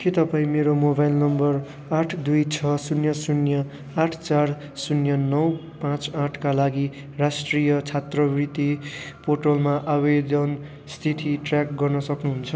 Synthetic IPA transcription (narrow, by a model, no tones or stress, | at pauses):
kʰet̪ʌpãĩmeɾomobajlnʌmbʌr | aʈʰd̪ujt͡sʰʌsunjʌsunjʌ | aʈʰt͡sar | sunjʌnʌw | pãt͡sãʈʰkalaɡi | rasʈrijʌt͡sʰat̪rʌbrit̪ipoʈolmaʔabed̪ʌn | st̪ʰit̪ʰiʈrak̚ɡʌrnʌsʌknuɦunt͡sʰʌ